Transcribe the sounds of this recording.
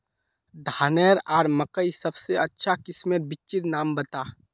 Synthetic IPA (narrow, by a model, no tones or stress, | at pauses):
d̪ʱaːneːɾaːɾmɐkəisɐbseɐtːʃʰakɪsmeɾbɪt͡ʃɪɾnaːmbɐt̪aː